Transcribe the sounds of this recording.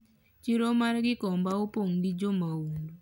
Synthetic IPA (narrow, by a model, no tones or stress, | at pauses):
t͡ʃiɾomarɡɪkɔmbaopoŋɡid͡ʒomawundu